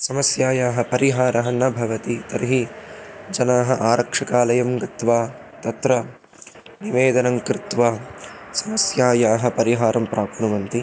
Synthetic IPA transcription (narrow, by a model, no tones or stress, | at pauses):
sɐmɐsjaːjaːɦɐ̆pɐɾiɦaːɾɐɦɐnɐbʱɐʋɐt̪it̪ɐɾɦi | d͡ʒɐnaːɦɐ̆ʔaːɾɐkʂɐkaːlɐjɐmɡɐt̪ʋaː | t̪ɐt̪ɾɐ | niʋeːd̪ɐnɐŋkɾɪt̪ʋaːsɐmɐsjaːjaːɦɐ̆pɐɾiɦaːɾɐmpɾʔaːpnuʋɐnt̪i